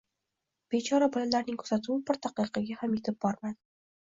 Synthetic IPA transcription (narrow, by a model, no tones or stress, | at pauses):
b̥et͡ʃʰɒɾabolanlaɾnɪŋkʰɵɾsat̪ʰuwɪbɪɾt̪ʰaqɨqʰɑɡʲahamjet̪ʰɪp̚bɒɾmad̪ɪ